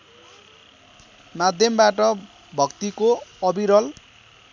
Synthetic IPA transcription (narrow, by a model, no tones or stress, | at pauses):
mad̪ʱjʌmbaʈʌ | bʱʌkt̪ikoʌbiɾʌl